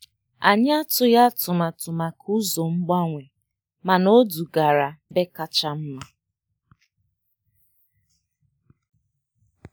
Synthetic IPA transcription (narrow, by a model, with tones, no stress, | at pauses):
a˨ɲɪ˦a˦tʊ˦ja˦tʊ˨ma˨tʊ˨ma˨kʰu˦zo˨ŋ͡m̩˦ɡ͡ba˦ŋʷe˨ | ma˨no˦du˨ɡa˨ɾa˨be˦ka˦t͡ʃa˦m̩˦ma˨